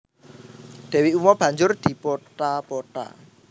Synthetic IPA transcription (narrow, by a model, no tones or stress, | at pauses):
d̪̥ɛ̤wiumɔb̥ä̤ɲd͡ʒʊrd̪̥i̤pɔʈapɔʈa̰